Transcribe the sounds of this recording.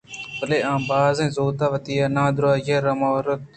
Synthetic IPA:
bəleːãːmbaːzẽːzoːt̪aːʋət̪iːaːnãːd̪ʊɾaːd͡ʒeːɾəmoːɾət̪̚

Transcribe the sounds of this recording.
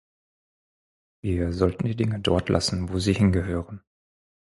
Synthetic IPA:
viːɐzɔltn̩diːdɪŋədɔ̰ɐtʰlʔa̰sn̩voːziːhɪnɡəɦøːʁən

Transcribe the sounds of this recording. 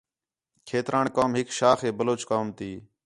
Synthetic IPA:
kʰeːt̪ɾaːɳkaːmɦɪkʃaːxeːbəloːt͡ʃkaːmt̪iː

